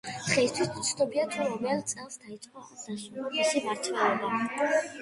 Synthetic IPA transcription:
χɛist̪ʰwismt̪sʰd̪ɔbiat̪ʰɛɾɔmɛlˠt̪sʼɛlˠsd̪ait̪sʼqʼɔzaʃɔaʃimaɾt̪ʰvɛɛba

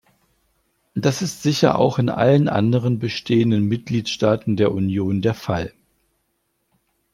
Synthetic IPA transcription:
d̥asɪstz̥ɪçɐ̰ʔa̰ʊxɪnʔa̰lənʔa̰ndəʁənbəʃtʰeːəndənmɪt̚ɡ̥liːtʃtaːtn̩deːɐʔunjoːndeːɐfal

